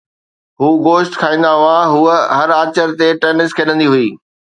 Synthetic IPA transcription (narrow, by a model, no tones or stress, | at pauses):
ɦuːɡoːʃʈkʰaːĩːn̆d̪aɦʊãɦuːəɦɐɾaːt͡ɕəɾt̪eʈeːnɪskʰeːɗə̃nd̪iɦuiː